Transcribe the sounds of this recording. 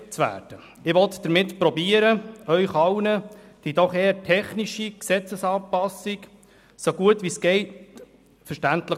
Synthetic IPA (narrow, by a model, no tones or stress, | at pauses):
t͡sʋæ̰ːd̥ə | ɪʋɔt̪d̥əɾmɪtpɾɔbiəɾəœʏχɑwnəd̥id̥̪ɔχeːətʰɛχniʃiksɛt͡səsɑːpɑsik | soɡuətʋisɡ̥ɛɪt | fəʃtæntlə